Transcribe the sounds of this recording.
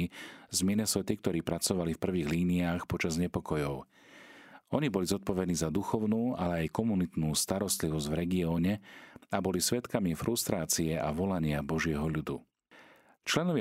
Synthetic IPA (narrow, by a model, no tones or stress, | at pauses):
izminɛsɛt̪ik̚t̪ɔɾiːpɾat͡sɔʋalifpr̩ʋiːɣliːniaːxpɔt͡ʃazɲɛpɔkɔjɔʊ | ɔɲibɔlizɔt̪̚pɔʋɛd̪niːzad̪uxɔʊnuːalɛajkɔmunit̪nuːst̪aɾɔst̪liʋɔzɟvɾɛɡiɔːɲɛabɔlisʋɛt̪kamifɾʔust̪ɾaːt͡siɛʔaʋɔlaɲɪabɔʒɪɛɦɔʎud̪u | t͡ʃlɛnɔʋɪa